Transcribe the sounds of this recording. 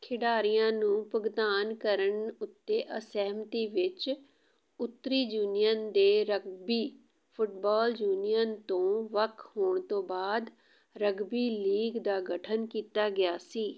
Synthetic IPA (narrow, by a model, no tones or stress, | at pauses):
kʰɪɖaːɾijãːnũːpəɡd̪aːnkəɾəɳʊt̪ːeːʔəsɛːmt̪iːʋɪt͡ʃ | ʊt̪ːɾiːd͡ʒuːnɪjənd̪eːɾəɡbiː | pʰʊʈbaːld͡ʒuːnijənt̪õːʋəkʰɦoːɳt̪õːbaːd̪ | ɾəɡbiːliːɡd̪aːɡəʈʰənkiːt̪aːɡɪjaːsiː